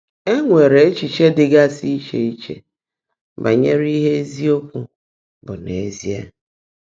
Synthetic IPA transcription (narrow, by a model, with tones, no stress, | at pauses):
e˦ŋʷe˨ɾe˨e˦t͡ʃi˨t͡ʃe˦dɪ˨ɡa˦si˦i˦t͡ʃe˨i˦t͡ʃḛ˦ | ba˨ɲe˦ɾi˦ɦe˦e˦zi˦o˦kʷu˦ | bʊ˨ne˨e˦˨zi˦a̰˦˨